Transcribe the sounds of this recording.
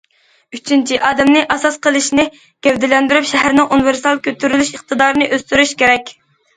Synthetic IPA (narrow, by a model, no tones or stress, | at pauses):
yt͡ʃʰint͡ʃʰiʔɑːd̪ɛmnɪʔɑsɑsqəlˠɨʃnɪ | ɡ̥ʲɛvd̪ɪlɛnd̪yɾypʃɛɦæɾnɪŋʔunveɾst̪ɑlˠkʲʰøt̪ʰyɾylyʃəχt̪ɨd̪ɑːɾɨnɨʔøst̪yɾyʃkʲeɾɛkʲ